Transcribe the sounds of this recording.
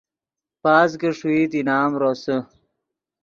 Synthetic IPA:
paːz̬ɡəʂuiːt̪inaːmɾosə

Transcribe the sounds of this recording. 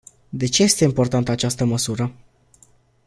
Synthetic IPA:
d̪e̞t͡ʃeje̞st̪e̞impo̞rt̪ant̪əat͡ʃast̪əməsuɾə

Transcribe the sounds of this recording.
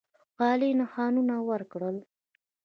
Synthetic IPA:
ɣɑlinaxɑnunawəɾkɽəl

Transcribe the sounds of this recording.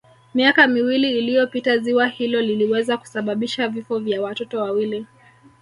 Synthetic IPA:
miakamiwiliːlijɔpitaziwahilɔliliwɛzaku̥saɓaɓiʃavifɔvjawatɔtɔwawili

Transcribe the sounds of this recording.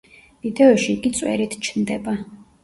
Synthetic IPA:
vid̪ɛɔʃiːɡit̪sʼwɛ̰ɾit̪ʰt͡ʃʰnd̪ɛba

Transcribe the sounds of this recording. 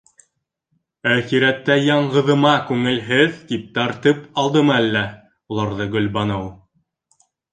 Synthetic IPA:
æχiɾæt̪ːæjɑɴɢɤ̆ðɤ̆mɑkʉŋɘ̆lɦɘðt̪ip̚t̪ɑɾt̪ɤpɑlˠd̪ɤmɤælːæ | ulˠɑɾðɤɡɵ̆lbɑnɤw

